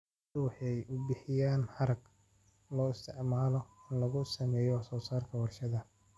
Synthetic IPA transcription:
wɑħɑjʔʊbɪħɪjaːnħɑɾɐɡ | lɔːɪst̪ʰɪʕmaːlɔɪnlɐɣʊsɐmɛːjɔwsɔːsaːrkʰɐwɐrʃɐðɐ

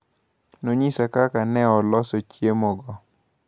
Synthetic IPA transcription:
noɲisakakanɛɔlɔsɔt͡ʃjemɔɡɔ

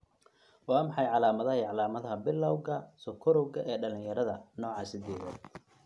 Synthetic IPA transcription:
wɑːmɑħɑjʕɑlaːmɐðɐɦɐʕɑlaːmɐðɐɦɐbɪlːɐwɣɐsɔkʰɔɾɔwɣɐʔɛːɖɐlɪ̃ŋjɐɾɐðɐnɔːʕɑːsɪd̪ɛːðɔ̰

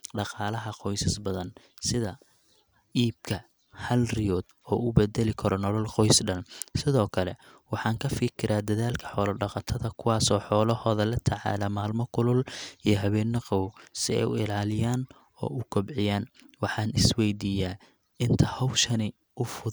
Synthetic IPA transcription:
ɖɑqɑːlɐɦɐqɔjsɐsbɐðɐn | sɪðɐ | iːb̚kʰɐ | hɐlrɪjɔːd̪ | ɔːʊbɛd̪ɛlɪkʰɐɾɔnɔlɐlqɔjsɖɐnsɪðɔːkʰɐlɛwɑħɑːŋkʰɐfɪkʰɪɾaːd̪ɐðaːlkʰɐ̥ħɔːlɐɖɑqɑt̪ʰɐðɐkʰʊwɑːsɔːħɔːlɐhɔːðɐlɐt̪ʰɐʕɑ̰ːlɐmaːlmɔkʰʊlʊlijɞɦɐβɛːnɐqɔwsɪɛ̰jʊ̰ɪ̰laːlɪjaːn | ɔ̰ːʊɡɔbʕɪjaːnwɑħɑːnɪswɛjd̪iːjaː | ɪnt̪ʰɐhɔwʃɐnɪ | ʔʊfʊ

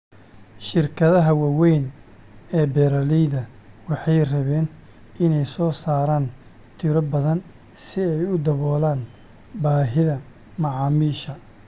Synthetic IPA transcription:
ʃɪrkʰɐðɐɦɐwɑːwɛjn | ɛːbɛːɾɐliːðɐ | wɑħɑjrɐβɛːn | ɪnɛjsɔːsaːɾaːn | t̪ʰɪɾɔbɐðɐn | sɪɛjʊd̪ɐβɔːlaːn | baːɦɪðɐ | mɑʕɑːmiːʃɐ

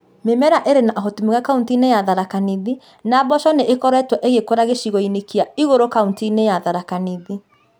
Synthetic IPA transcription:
memɛɾaʔeɾenaʔɔɦɔtumeɣakauntinejaðaɾakaniði | nabɔʃɔneʔekɔɾɛtwɔʔeɣekoɾaɣeʃiɣɔinekiaiɣoɾokauntinejaðaɾakaniði

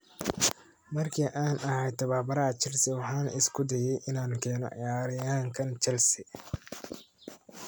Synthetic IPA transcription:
mɐrkʰiːʔaːnʔɐhɛjt̪ʰːɐβaːbɐɾɐɐt͡ʃɛlsɪwɑħɑːnɐʔɪskʰʊd̪ɐjɛjʔɪnaːŋkʰɛːnɔ̰ʕɪ̰jaːɾɪjaːŋkʰɐnt͡ʃɛlsɪ

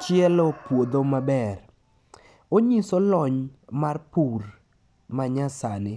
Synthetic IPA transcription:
t͡ʃjɛlɔpwod̪omabɛr | oɲisolɔɲmarpur | maɲasanɪ

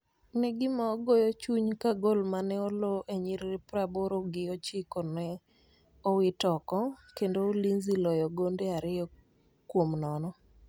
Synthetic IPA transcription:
nɛɡɪmaɔɡɔjɔt͡ʃuɲkaɡolmanɛɔlɔʔeɲiɾɾpɾaboɾoɡɪɔt͡ʃɪkɔnɛ | ɔwɪtɔkɔkendoolinzilɔjɔɡondeaɾɪjɔ | kwomnɔnɔ

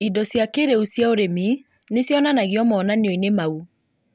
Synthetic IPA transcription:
idɔsjakeɾeusjaoɾemi | nesjɔnanaɣiɔmɔːnaneoinemau

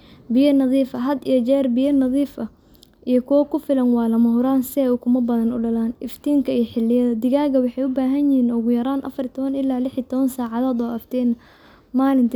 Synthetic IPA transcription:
bɪjɐnɐðiːfɐɦɐd̪ijɔt͡ʃɛːrbɪjɐnɐðiːfɐ | ʔijɔkʰʊwɐkʰʊfɪlɐnwɑːlɐmɐɦʊɾaːnsɪɛjʊkʰʊmɐbɐðɐnʊɖɐlaːnɪft̪ʰiːŋkʰɐijɔħɪlːɪjɐðɐd̪ɪɣaːɣɐwɑħɑjʊbaːɦɐnjɪhiːnʊɣʊjɐɾaːnʔɐ̰fɐrit̪ʰɔβɐnɪlaːlɪħit̪ʰɔβɐnsaːʕɑðaːd̪ɔːʔɐft̪ʰɛːnɐ | maːlɪnt̪ʰɐ

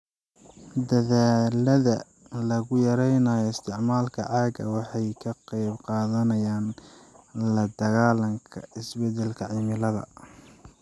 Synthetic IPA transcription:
d̪ɐðaːlɐðɐ | lɐɣʊjɐɾɛjnaːjɔɪst̪ʰɪʕmaːlkʰɐʕɑːɡɐ̰wɑħɑjkʰɐqɑjbqɑːðɐnɐjaːn | lɐd̪ɐɣaːlɐŋkʰɐ̰ɪsbɛd̪ɛlkʰɐʕiːmɪlɐðɐ̰

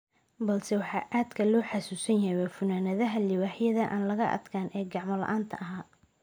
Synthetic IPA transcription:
bɐlsɛwɑħɑːʔaːd̪kʰɐlɔːħɑsuːsɐnjɐwɐfʊnaːnɐðɐɦɐlɪwaːħjɐðɐʔa̰ːnlɐɣɐʔɐ̰d̪kʰaːnʔɛːɡɑʕmɔlɐ̰ʔaːnt̪ʰɐʔɐɦaː

